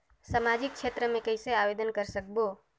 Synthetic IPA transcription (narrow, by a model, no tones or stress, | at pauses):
səmad͡ʒik̚t͡ʃʰet̪ɾəmẽkəɪseaʋed̪ənkəɾsək̚bo